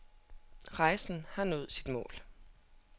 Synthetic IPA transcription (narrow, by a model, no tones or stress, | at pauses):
ʁɑ̈ɪsn̩hɑ̈nɔ̽ːð̞̩ˠsid̥mɔ̰ːl